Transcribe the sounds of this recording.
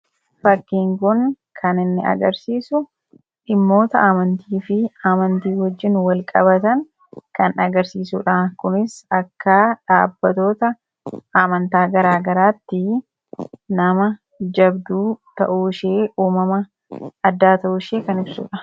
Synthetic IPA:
fɐkːiːŋkʊŋ | kʰɐnɪnːɪ̰ɐ̰ɡɐɾsiːsʊ | ɪmːo̞ːt̪ɐaːmɐnt̪iːfɪaːmɐnt̪iːhɔd͡ʒːɪnwɐlkʼɐbɐt̪ɐŋ | kɐnɐɡɐɾsiːsuːᶑaːkʊnɪsɐkːaːᶑaːbːɐt̪o̞ːt̪ɐ | amɐnt̪aːɡɐɾaːɡɐɾaːt̪ːɪ | nɐmɐ | d͡ʒɐbd̪uːt̪ɐ̰ʔuːʃeːʔuːmɐmɐː | d̪ːaːt̪ɐʔuʃeːkɐnɪbsṵːᶑɐ

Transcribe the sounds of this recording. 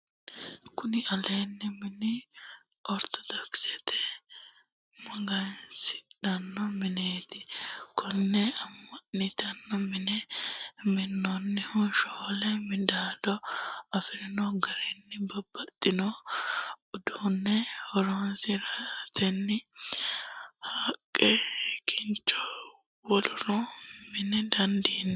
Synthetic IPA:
kʊnɪɐlenːɪmɪnɪ | ʔɔɾt̪ɔd̪ɔksɛt̪ʰɛ | mɐɡɐjnsɪ̥ᶑɐnːɔmɪneːt̪ɪkɔnːɛɐmːɐnɪt̪ɐnːɔmɪnɛ | mɪnːɔnːɪhʊʃoːlɛmɪd̪aːd̪ɔɐfɪɾɪnɔɡɐɾɛnːɪbɐbːɐt̪ʼːɪnɔ | ʊd̪unːɛhɔɾɔnsɪɾat̪ɛnːɪ | haːkʼːɛkʰɪnt͡ʃːɔ | wɔlʊɾɔmɪnɛd̪ɐnd̪iːnː

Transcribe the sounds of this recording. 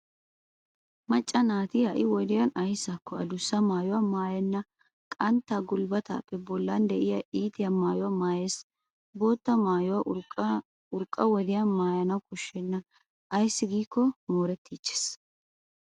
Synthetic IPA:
mɐt͡ʃʼːɐnaːt̪ɪhɐʔɪwɔd̪ɪjɐnɐjsːakːɔɐd̪ʊsːɐmaːjʊwɐmaːjɛnːɐ | kʼɐnt̪ːaːɡʊlbɐt̪a̰ːpːɛbɔlːɐnd̪ɛʔɪjɐʔiːt̪ɪjɐmaːjʊwamaːjeːs | bo̞ːt̪ːɐmaːjʊwɐ | ʊɾkʼːɐwɔd̪ɪjɐnmaːjɐnɐwkʼʊʃːɛnːɐ | ɐjsːɪɡiːkːɔmoːɾɛt̪ːiːt͡ʃːe̥s

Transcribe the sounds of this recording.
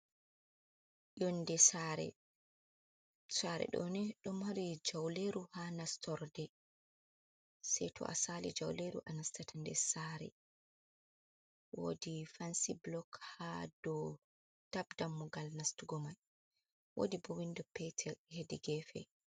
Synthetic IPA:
jɔndɛsaɾɛ̰ | saɾɛ̰ɗɔ̰nɛɗɔmhaɾid͡ʒawleɾuhanastʰɔɾdɛ | sɛjtʰɔ̰ʔa̰salḭd͡ʒawleɾṵʔanastatʰandɛsaɾɛ̰ | wo̰difansiblɔkhadɔ | tabdamːuɡalnastuɡɔmaj | wo̰dibɔwindɔpɛtʰɛhediɡɛfɛ̰

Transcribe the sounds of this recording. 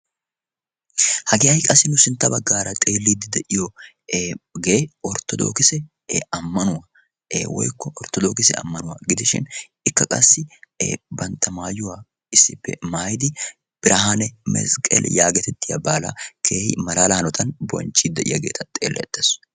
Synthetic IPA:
hɐɡɪɐjkʼɐsːɪnʊsɪnt̪ːɐbɐɡːaːɾɐt̪ʼe̞ːlːid̪ɪd̪ɛʔɪjɔ | ɡeːɔɾt̪ːɔd̪o̰ːkɪsɛ | ɐmːɐnʊwa̰ | wɔ̰jkːɔʔɔɾt̪ɔd̪oːkɪsɛɐ̰mːɐnʊwa̰ɡɪd̪ɪʃɪ̰n | ɪkːɐkʼɐsːɪbɐnt̪ʰːɐmaːjʊwaː | ɪsːɪpːɛ̰maːjd̪ɪ | b̥ɪɾʔɐhanɛmɛ̰skʼɛ̰ljaːɡɛt̪ɛt̪ːɪjɐ̰baːlɐ̰kʰeːhɪ̰mɐlaːlɐhɐnɔt̪ʰɐnbɔ̰nt͡ʃːid̪ːɛʔɪ̰jɐɡḛːt̪ʰɐt̪ʼeːlːɛ̰ɛt̪ːɐs

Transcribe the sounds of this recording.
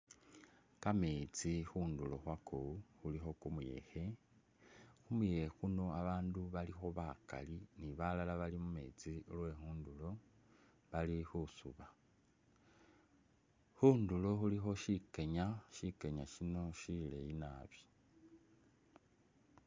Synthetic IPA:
kameːt͡sixuːndulo̞xwakʰoxulixo̞kumuje̞̰xe̞ | xumujexuno̞aβaːnduβalixo̞βaka̰liniβalalaβalimume̞̰ːt͡silwe̞ŋuːndulo̞ | βalixusuβa | xuːndulo̞xulixo̞ʃike̞ɲaʃike̞ɲaʃino̞ʃile̞jinaβjo̥

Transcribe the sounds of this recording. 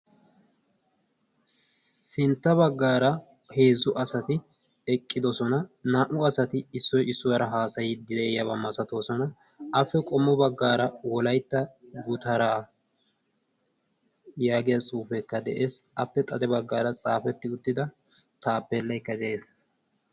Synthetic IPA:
sɪnt̪ːɐbɐɡːaːɾɐ | he̞ːzːʊʔɐsɐt̪ɪ | ɛkʼːɪd̪ɔsɔnɐnaːʔʊɐsɐt̪ɪɪsːɔjɪsːʊwɐɾɐɦaːsɐjɪd̪ɪlejɐbɐmːɐsɐt̪oːsɔnɐ | ɐfːɛkʼɔmːɔbɐɡːaːɾɐwɔlɐjt̪ːɐɡʊt̪ɐɾaː | jaːɡɪjɐt͡sʼuːfɛkːɐd̪ɛʔeːsɐpːɛt̪ʼɐd̪ɛbɐɡːaːɾɐt͡sʼaːfɛt̪ːɪʊt̪ːɪd̪ɐ | t̪aːpːɛlːɐjkːɐd͡ʒɛʔeːs

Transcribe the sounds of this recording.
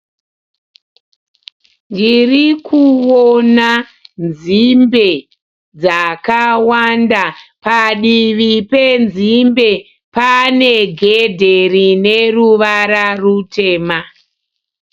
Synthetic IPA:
ndirikʰuwona | nd͡zzimbe̞ | d͡zakawandapaɗiʋipe̞nzimbe̞ | pane̞ɡʱedʱe̞rineruʋaɾarute̞ːma

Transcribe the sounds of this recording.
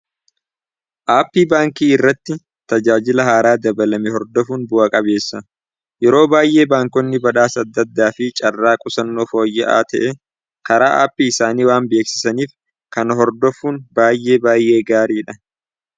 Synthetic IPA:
ʔaːpːiːbaːŋkiːɪrːɐt̪ːɪ | t̪ɐd͡ʒaːd͡ʒɪlɐhaːɾaːd̪ɐbɐlɐmɪhɔɾd̪ɔfuːnbʊʔɐkʼɐbe̞ːsːɐ | jɛɾo̞ːbaːjʔe̞ːbaːŋkɔnːɪbɐᶑaːsɐd̪ːɐd̪ːaːfɪt͡ʃʼɐrːaːkʼʊsɐnːoːfo̞ːjːɛʔa̰ːt̪ɛʔɛ | kɐɾaːʔa̰ːpːiːɪsaːniːwaːnbe̞ːksɪ̥sɐniːf | kɐnɦɔɾd̪ɔfuːnbaːjʔe̞ːbaːjʔe̞ːɡaːɾiːᶑɐ

